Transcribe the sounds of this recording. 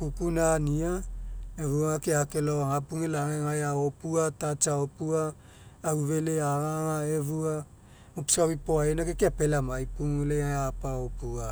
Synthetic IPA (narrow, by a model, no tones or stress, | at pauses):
kukunaniaevuaakeakeloaŋapuŋelaŋeŋajaopuatat͡ʃaopuaː | uve̞leaɾaŋaevua | mopsawipoaenakekeape̞lamajpuŋeleaapaopua